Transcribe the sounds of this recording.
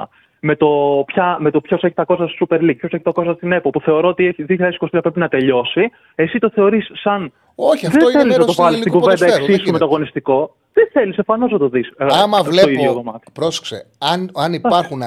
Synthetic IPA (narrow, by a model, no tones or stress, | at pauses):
ɐ̰ | me̞t̪o̞pçɐmet̪o̞pço̞se̞çit̪ɐko̞st̪ɐst̪osupe̞ɾlik̚pʰço̞seçi̥t̪ɐko̞st̪ɐst̪ine̞popuθe̞o̞ɾo̞ot̪ieçiðiçlʎɐðesi̥kost̪iɐpɾepinɐt̪e̞ʎo̞si | e̞sit̪o̞θe̞o̞ɾisːɐn | oçðenθeliznɐt̪ovɐlist̪iɡuved̪ɐekssisumet̪oɐɣo̞nist̪iko̞ | ðeθe̞lisefɐno̞znɐt̪o̞ðisɐmɐvloiðjoðomɐt̪i̥pɾose̥ksḛɐnɐniɐɾxun